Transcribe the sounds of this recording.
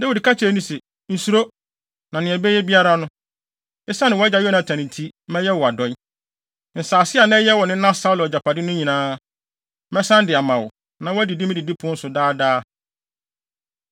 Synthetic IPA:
da˦wi˨dkʰa˦t͡ɕʰɪ˨e˨nĩ˦sɛ˨ | n̩˨su˦ɾo˦ | nã˨nɪ̃˨ɛ˨bɛ˦jɛ˦bi˦a˦ɾa˦nʊ̃˦ | ɪ˦sa˦nɪ̃˨wɔ˦a˦d͡ʑa˨jɔ˦nã˨tʰã˨nɪ̃˨tʰi˦mɛ̃˦jɛ˦wɔ˨a˨dɔ̃˦ | n̩˨saː˨sɪ˦a˨nɛ̃˦jɛ˦wɔ˨nɪ̃˦nã˦sa˦lɪ˨ɔ˨d͡ʑa˨pʰa˨dɪ˦nʊ̃˦ɲĩ˨nãː˦ | mɛ̃˦sã˦n˦dɪ˨a˨mã˨wʊ˨ | nã˨˦wɔ˦æ˦di˨di˦mɪ̃˦dɪ˨di˦pʰʊ̃˦n̩˦sʊ˨daː˦daː˦

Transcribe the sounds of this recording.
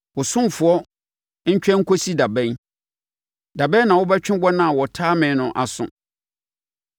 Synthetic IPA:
wʊ˨sʊ̃˦m˨fʊ˨ɔ˦ | ɲ̩˦t͡ɕᶣɛ̃˦ŋ̩˦kʰo˦si˦da˨bɛ̃˦n | da˨bɛ̃˦nã˨wʊ˦bɛ˦t͡ɕᶣɪ̃˦bɔ˦nã˨wɔ˨tʰaː˦mɪ̃˨˦nʊ̃˨ʔa˨sʊ̰̃˨

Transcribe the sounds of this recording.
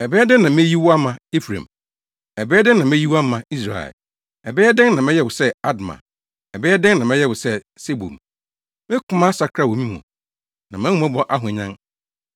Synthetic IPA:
ɛ˨bɛ˦ɛ˦dɪ˦nã˨mẽ˦ji˦wa˦mã˨e˦fɾḛ̃˨m | ɛ˨bɛ˦ɛ˦dɪ̃˦nã˨me˦ji˦wa˦mã˨i˦s̬ɾa̰˨ɛ̰˨l | ɛ˨bɛː˦ɛ˦dɪ̃˦ŋnã˨mɛ̃˦jɛ˦wʊ˨sɛ˦a˦dmã̰˨ | ɛ˨bɛː˦ɛ˦dɪ̃˦nnã˨mɛ̃˦jɛ˦wʊ˨sɛ˦ | se˦bṵ˨m | mɪ̃˦kʰʊ˦mã˦sa˨kʰɾa˦˨wo˨mĩ˦m˨ɔ̰̃˨ | nã˨mɛ̃˦hũ˦mã˦bɔ˦ʔa˦ɦʊ̃˨ɲã˦ŋ

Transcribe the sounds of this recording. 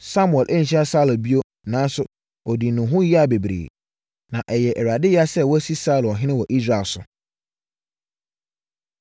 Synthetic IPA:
sa˦mu˨ɛ˨lʔæ˦ɲ̩˨ɕi˦a˦sa˦la˨bi˦o˦ | nãː˨˦sʊ˦ | ɔ˨di˨nʊ̃˨ɦʊ̃˦ji˦a˨be˨bɾḛː˨ | nã˨ʔɛ˨jɛ˨ʔɛ˨ɾa˨dɪ˦ja˦sɛ˦˨wɔ˦æ˦si˦saː˦lɔ˨ɦɪ̃˦ɪ̃˦wɔ˨ʔi˦sɾa˨sʊ˨

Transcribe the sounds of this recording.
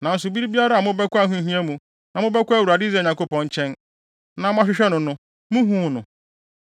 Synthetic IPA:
nã˨n̩˦sʊ˨bi˦ɾi˦bi˦a˦ɾa˦˨mʊ̃˦bɛ˦kʷʊ˦a˦ɦũ˦ɦĩ˦ɛ˦mũ˨ | nã˨mʊ̃˦bɛ˦kʷæ˦˨wu˨ɾa˨dɪ˦zɛ˨ɲã˨˦ko˦pɔ̃˨ɲ̩˦t͡ɕʰɛ̃˦n | nã˨mʊ̃˦a˦ɕᶣɪ˦ɕᶣɛ˦nʊ̃˨nʊ̃˨ | mũ˦ɦũː˦nʊ̃˨

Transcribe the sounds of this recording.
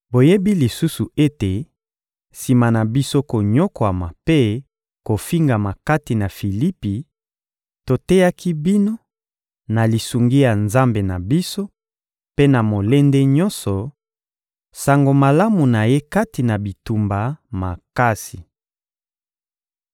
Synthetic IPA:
bo˨je˦bi˦li˨su˦su˨e˦te˨ | si˨ma˨na˨bi˦so˦ko˨ɲɔ˦kwa˨ma̰˨pe˦ | ko˨fi˦ŋɡa˨ma˨ka˦ti˨na˨fi˨li˦pi˨ | to˨tɛ˦ja˦ki˦bi˦no˦ | na˨li˨su˨ŋɡi˦ja˨nza˦mbe˨na˨bi˦so˦ | pe˦na˨mo˨le˦nde˦ɲɔ̃˦nsɔ˨ | sa˨ŋɡo˨ma˨la˦mu˨na˨je˦ka˦ti˨na˨bi˨tu˨mba˨ma̰˨ka˦si˨

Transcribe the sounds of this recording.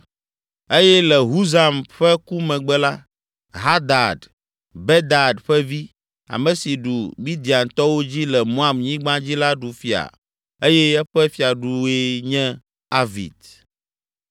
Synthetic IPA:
e˦jɛ˦lɛ˨ɦu˦za˨mɸɛ˦ku˦mɛ̃˨ɡ͡bɛ˦la˦ | ɦa˦d̪a˨d | bɛ˦d̪a˨dɸɛ˦vi˦ | a̰˨mɛ̃˨si˨ɖu˨mi˦d̪i˨a˨n˨t̪ɔ˦wo˦d͡ʑi˦lɛ˨mõ˦a˨mɲĩ˦ɡ͡bã˦d͡ʑi˦la˦ɖu˨fi˨a̰˨ | e˦jɛ˦ɛ˦ɸɛ˦fi˨a˨ɖu˦e˦ɲɛ̃˦ | a˦vḭ˨d̪

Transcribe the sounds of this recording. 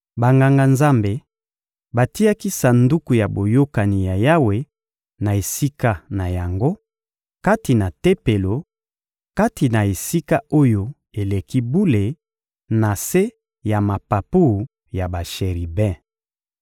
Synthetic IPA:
ba˨ŋɡa˨ŋɡa˨nza˦mbe˨ | ba˨ti˦ja˦ki˦sa˨ndu˦ku˨ja˨bo˨jo˦ka˨ni˨ja˨ja˦we˨ | na˨e˨si˦ka˦na˨ja˨ŋɡo˦ | ka˦ti˨na˨te˦pe˨lo˨ | ka˦ti˨na˨e˨si˦ka˦o˦jo˦ | e˨le˨ki˦bu˦le˨ | na˨se˦ | ja˨ma˨pa˨pu˦˨ | ja˨ba˨ʃe˨ʁi˨bɛ̃˦

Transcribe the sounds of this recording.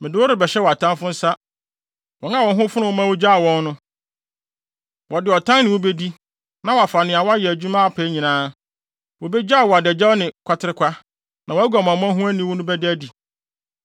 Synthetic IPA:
mɪ̃˨dɪ˨˦wʊ˦ɾɪ˨bɛ˨ɕɛ˦wɔ˨a˨tʰã˦mfʊ̃˦n̩˦sa˦ | wɔ˨˦ŋ˦ã˦wɔ̃˨n˦ɦʊ̃˦fʊ˦nʊ̃˦wɔ˦mã˦wo˦d͡ʑa˦a˨wɔ̃˦n˦nʊ̃˦ | wʔɔ˨dɪ˨ɔ˨tʰã˦nnɪ̃˨wo˦be˦di˦ | nã˨wɔ˨a˨fa˨nɪ̃˨a˨wɔ˦a˦jɛ˨æ˨d͡ʑu˦mã˦a˨pʰɛ˦ɲĩ˨nãː˦ | wo˨be˦d͡ʑa˦˨wɔ˨a˨dɛ˨d͡ʑɛ˦nɪ̃˨kʷʰa˦tʰɪ˨ɾɪ˦kʷʰa˦ | nã˨wæ˦ɡa˨m˨ã˨mʊ̃˦ã˦ɦũ˦æ˦nĩ˦wʊ˦nʊ̃˦bɛ˦dɪ˦æ˦di˨

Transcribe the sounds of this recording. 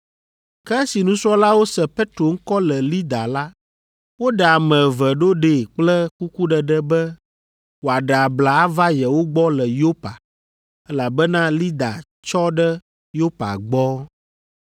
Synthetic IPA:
kɛ˦si˨nũ˦su˦ɔ˦la˦wo˦sɛ˨pe˦t̪ɾo˨ŋ̩˦kɔ˦lɛ˨li˦d̪a˨la˦ | wo˦ɖɛ˨a˨mɛ̃˨və˨ɖo˦ɖe˨k͡plɛ˦ku˦ku˦ɖɛ˨ɖɛ˦bɛ˦ | wo˨a˨ɖə˨a˨bla˨a˦va˦jɛ˨wo˦ɡ͡bɔ˦lɛ˨jo˦pa̰˨ | ɛ˦la˨bɛ˦nã˦li˦d̪a̰˨ | t͡ʃɔ˦ɖɛ˦ | jo˦pa̰˨ɡ͡bɔ˦

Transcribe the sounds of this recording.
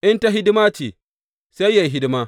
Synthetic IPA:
ʔɪ˦nta˦ɦɪ˦dɪ˦maː˦t͡ʃeː˨ | sa˦jːa˨jɦɪ˦dɪ˦maː˦

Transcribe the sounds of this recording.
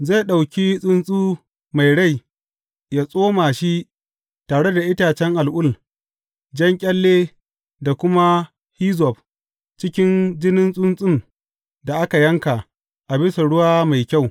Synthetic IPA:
za˦˨ɗa˨wkʲi˦sʼʊ˦nsʼuː˦ | ma˨jɽa˦˨j | jaː˨sʼoː˦maː˨ʃi˦ʔ | taː˨ɽe˦da˨ʔɪ˦taː˨t͡ʃɛ˦ŋʔa˨lʔʊ˦˨l | d͡ʒɐ˦ŋkʲʼɐ˦lːeː˦ | da˨kʷʊ˦ma˦ | hi˦zɔ˨p | t͡ʃɪ˦kʲɪ˦nd͡ʒɪ˦nɪ˦nsʼʊ˦nsʼɪ˦m | da˨ʔa˦ka˨jɐ˦ŋka˨ | ʔa˨bɪ˦sa˨ɽʊ˦waː˦ma˨jkʲa˦˨w

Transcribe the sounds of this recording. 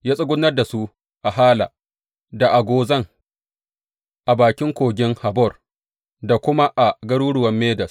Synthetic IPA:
jaː˦sʼʊ˦ɡʷʊ˦nːɐ˦rda˨su˦ | ʔa˨ɦaː˦la̰˨ | da˨ʔa˨ɡʷoː˦zɐ˦˨ŋ | ʔa˨baː˨kʲɪ˦ŋkʷoː˨ɡʲɪ˦ŋha˨bɔ˦˨r | da˨kʷʊ˦ma˦ʔa˨ɡɐ˦ɽuː˦ɽʊ˨wɐ˦mːeː˦dɐ˨s

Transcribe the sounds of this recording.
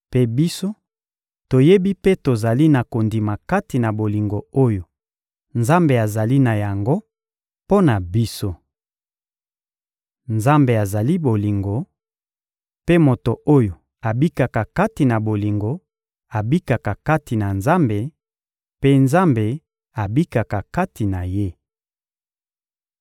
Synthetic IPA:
pe˦bi˦so˦ | to˨je˦bi˦pe˦to˨za˨li˦na˨ko˨ndi˨ma˨ka˦ti˨na˨bo˨li˨ŋɡo˨o˦jo˨ | nza˦mbe˨a˨za˨li˦na˨ja˨ŋɡo˦ | po˦na˨bi˦so˦ | nza˦mbe˨a˨za˨li˦bo˨li˨ŋɡo˨ | pe˦mo˨to˨ʔo˦jo˨ | a˨bi˦ka˨ka˨ka˦ti˨na˨bo˨li˨ŋɡo˨ | a˨bi˦ka˨ka˨ka˦ti˨na˨nza˦mbe˨ | pe˦nza˦mbe˨ | a˨bi˦ka˨ka˨ka˦ti˨na˨je˦

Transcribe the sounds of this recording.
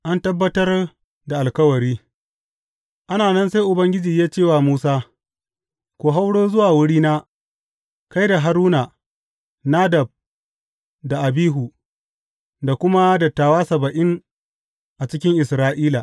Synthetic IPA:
ʔa˦ntɐ˦bːɐ˦tɐ˦r | da˨ʔa˨lkɐ˦wɐ˨ɾiː˦ | ʔa˦naː˨nɐ˦nsa˦jʔʊ˨bɐ˦ŋɡʲɪ˦d͡ʒiː˨jaː˦t͡ʃeː˦˨waː˨muː˦saː˦ | kʷoː˨ɦa˦wɽoː˦zʊ˦waː˨wʊ˦ɽiː˦naː˦ | ka˦jda˨ɦa˦ɾuː˦na˨ | naː˦dɐ˨b̚ | da˨ʔa˨biː˦ɦu˨ | da˨kʷʊ˦ma˦dɐ˨tːaː˨waː˦sɐ˨bɐ˨ʔɪ˦ŋ | ʔa˨t͡ʃɪ˦kʲɪ˦ŋʔɪ˨sɾaː˦ʔiː˦la˨ʔ

